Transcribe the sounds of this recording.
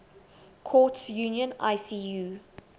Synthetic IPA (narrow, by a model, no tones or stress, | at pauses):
kʰɔːˑtsjuːnjə̃na̰ɪsiːjuː